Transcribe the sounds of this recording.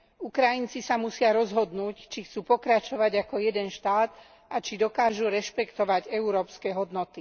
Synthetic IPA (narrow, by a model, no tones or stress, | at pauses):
ukɾajint͡sisamusɪaɾɔzɦɔd̪nuːct͡ʃixt͡suːpɔkɾat͡ʃɔʋaɟakɔjɛd̪ɛnʃt̪aːd̪ | ʔat͡ʃid̪ɔkaːʒuɾɛʃpɛkt̪ɔʋaɟɛuɾɔːpskɛɦɔd̪nɔt̪i